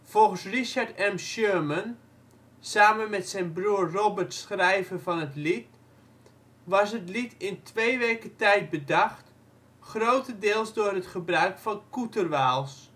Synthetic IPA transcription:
v̥ɔlˠχənsriʃaɹtɛmʃøːmən | saːmənmɛtsɛjnbruːrrɔbərtsχrɛjvərvɑnətlit | ʋɑsɦətlitɪntʋejʋejkətɛjt̚bədɑχt | χrowtəndɪːlˠsdʊːrɦətχəbrœɥkfɑnkutərʋaːlˠs

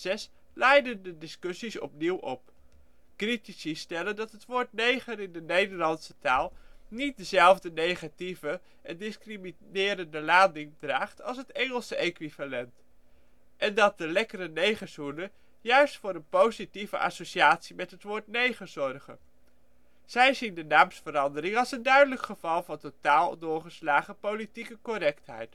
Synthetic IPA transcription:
zɛs | lɛjdəndədɪskɵsisɔ̰pniwʔɔp | kritisistɛləndɑtɦətʋʊːɹtnejχəɾɪndənejdəɹlɑntsə̥taːlˠnit̚dəzɛlˠvdənejχativə | ʔɛndɪskriminɪːɾəndəlaːdɪŋdraːχtɑ̰lˠsətɛŋəlˠsəejkʋivalɛnt | ʔɛndɑt̚dəlɛkəɾənejχəzunə | jœɥstfʊːɾənpowzitivə̰ʔɑ̰soʃiaːtsimɛtɦətʋʊːɹtnejχəzɔrχə̰ | z̥ɛjzindənaːmsfəɾɑndərɪŋɑlˠsəndœɥdələkχəvɑlˠvɑntotaːlˠdʊːɹχəslaːχəpowlitikəkɔɾɛktɦɛ̰jt

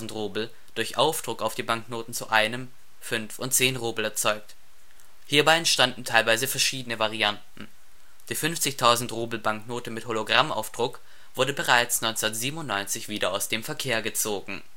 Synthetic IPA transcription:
n̩tʁoːbl̩ | d̥ʊɐçʔaʊfd̥ʁʊkaʊfd̥iːbaŋknoːtn̩t͡sṵʔaɪnəm | fʏnfʊntt͡seːnʁoːbl̩ɛɐt͡sɔʏk̚t | hiːɐbaɪɛntʃtandn̩tʰaɪlvaɪzəfɛɐʃiːdənəvaʁiantn̩ | d̥iːfʏnft͡sɪçtʰaʊzn̩tʁuːbl̩baŋknoːtəmɪtholoɡʁamʔa̰ʊfd̥ʁʊk | v̥ʊɐdəbəʁaɪt͡snɔɪnt͡snɐtz̥iːbəmʊntnɔʏnt͡sɪçv̥iːdɐaʊsd̥eːmfɛɐkʰeːɐɡət͡soːɡŋ̩

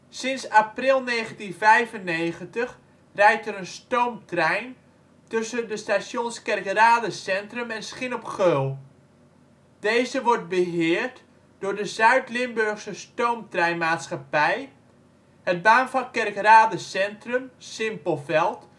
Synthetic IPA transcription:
sɪnsaprɪlˠnejχəntinvɛjvənejχəntəχ | rɛjtəɾənstowmtrɛjn | tɵsəndəstasjonskɛrkraːdəsɛntrɵmɛnsχɪnɔpχølˠ | d̥ejzəʋɔrt̚bəɦɪːɹt | d̥ʊːɹdəzœɥtlɪmbɵrχsəstowmtrɛjnmaːtsχapɛj | həd̚baːnfɑnkɛrkraːdəsɛntrɵmsɪmpəlˠvɛlˠt

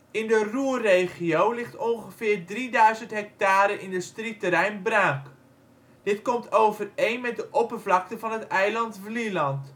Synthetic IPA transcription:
ɪndəruərejχiowlɪχtɔnχəfɪːrdridœɥzəntɦɛk̚taːɾəʔɪndəstritəɾɛjnbraŋk | d̥ɪtkɔmtʰowvərejnmɛt̚dəʔɔpərvlɑk̚təvɑnətɛjlɑntvlilɑnt

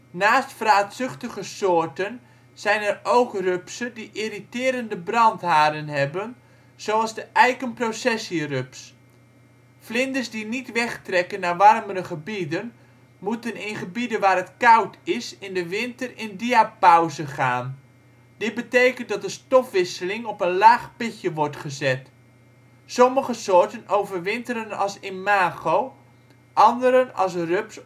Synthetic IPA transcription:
naːstfraːtsʏχtəɣəsoːɹtən | sɛjnɛrowkrøpsədiʔiritɪːɾəndəbrɑntɦaːdənɦɛbən | z̥oɑlˠzdəʔɛjkənprosɛsirøps | flɪndəsdinitʋɛχtrɛkənːaʋɑrməɾəχəbidən | mutənɪnχəbidəʋaːɾətkawtʰɪsɪndəʋɪntərɪndiapawzəχaːn | dɪt̚bətejkəntdɑt̚dəstɔfʋɪsəlɪŋɔpənlaːχpɪcjəʋɔɹtχəzɛt | sɔməχəsoːɹtənowvərʋɪntəɾənɑ̰lˠsɪmaːɣow | ʔɑndəɾənɑ̰lˠs̬røps

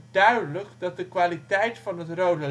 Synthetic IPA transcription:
dœɥdələkdɑt̚dəkʋaːlitɛjtfɑnɦətrowdə

